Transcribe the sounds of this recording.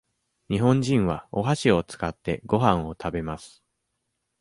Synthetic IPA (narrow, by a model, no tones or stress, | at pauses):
ɲ̟iɦõ̞ɲ̟d͡ʑĩɰ̃βao̞ɦaɕio̞t͡sɨ̥kat̪ːe̞̰ɡo̞ɦãɰ̃o̞t̪ʰabe̞masɨ̥